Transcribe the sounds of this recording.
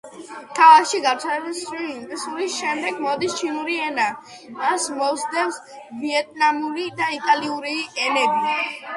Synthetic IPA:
t̪ʰalakʃiɡaɾt̪sʰalɛbasɾiint̪ʼɛsuɾisʃɛmd̪ɛɡmɔd̪ist͡ʃʰinuɾiɛna | asmɔsd̪ɛns | viɛt̪ʼnamuɾid̪ait̪ʼaliuɾiɛnɛbi

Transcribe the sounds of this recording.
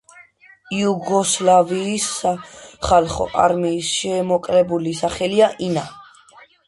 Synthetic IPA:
juɡɔslaviːs | χalχɔ̰ʔa̰ɾmiːsʃɛːmɔkʼlɛbulisaχɛliaʔina

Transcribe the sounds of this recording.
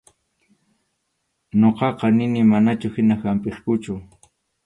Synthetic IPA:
ɲoqɑqɑnɪnɪmanat͡ʃʊhɪnahampeskʊt͡ʃʊ

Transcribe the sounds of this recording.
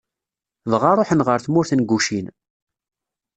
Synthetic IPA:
vʁaɾˤoħənʁəɾθmʊɾθənɡːuʃin

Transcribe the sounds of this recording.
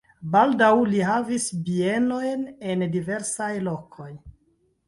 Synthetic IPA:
baldawliɦavisbie̞no̞jne̞ndive̞ɾsajlo̞kʰo̞j

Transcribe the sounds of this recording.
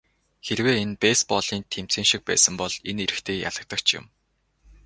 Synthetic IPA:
xeɾweːenpeːspɔɮiːnt̪ʰem̥t͡sĭːŋʃik̚pæ̰ːsə̆mpɔɮeneɾɘ̆kt̪ʰeːja̰ɮə̆k̚t̪ə̆kt͡ɕʰjɪ̰̆m

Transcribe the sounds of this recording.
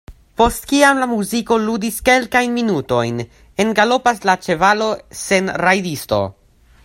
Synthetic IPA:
po̞stkiamlamuziko̞ludiske̞lkajnminuto̞jn | e̞nɡalo̞paslat͡ʃe̞valo̞se̞nɾajdisto̞̰

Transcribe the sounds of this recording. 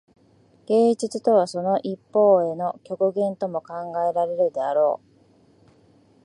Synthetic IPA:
ɡ̥e̞ːd͡ʑit͡sɨt̪o̞β̞aso̞no̞ʔipːo̞ːe̞no̞kʲo̞kɯ̟ɡẽ̞nt̪o̞mo̞kãŋɡae̞ɾaɾe̞ɾɯ̟d̪e̞aɾo̞ː

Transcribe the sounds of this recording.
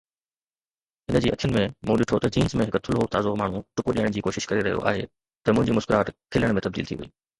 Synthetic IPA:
ɦɪnəd͡ʑiːʔɐ̰kʰjənɪ̆mẽmũːɗɪʈʰot̪ɐd͡ʑiːnzmẽɦɪkt̪ʰʊlɦot̪aːzokmaːɳ̤ũʈʊkoɗiːəɽ̃d͡ʑiːkoːʃɪʃkɐɾiɾɐɦijo̰ʔa̰ːɦe | t̪ɐmʊ̃ɦɪ̃ɲd͡ʑiːmʊʃkɪɾaːt̪kʰɪljəɽ̃mẽt̪ɐbd̪iːlt̪ʰḭʋɐḭː

